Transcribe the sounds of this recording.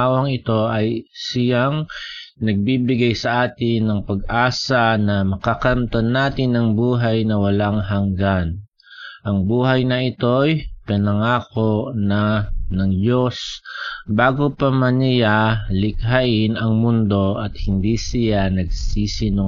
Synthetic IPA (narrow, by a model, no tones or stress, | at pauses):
awɐŋɪt̪o̞ʔɐjsɪjaŋnɐɡ̚bibɪɡajsɐʔaːt̪ɪnːɐŋpɐɡ̚ʔaːsɐnɐmɐkakɐnt̪onːaːt̪ɪnːɐŋbuːɦajnɐwɐlaŋɦɐŋɡan | ʔɐŋbuːɦɐjnɐʔɪt̪o̞jpɛnɐŋaːko̞ʔnɐnɐŋd͡ʒo̞s | baːɡopɐmɐnɪjalɪkɦaʔɪnɐŋmʊnd̪o̞ʔɐt̪hɪnd̪isɪjanɐɡ̚siːsɪno